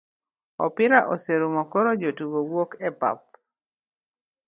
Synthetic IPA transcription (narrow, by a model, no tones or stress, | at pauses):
ɔ̰pɪɾaʔoseɾumɔkoɾod͡ʒotuɡowokɛpa̰p̚